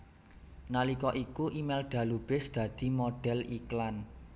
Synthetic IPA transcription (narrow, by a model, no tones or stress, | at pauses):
nalikɔʔikuʔimɛlɖ̪̥ä̤lub̥ɪsd̪̥ä̤d̪̥i̤moɖ̥ɛ̤liklan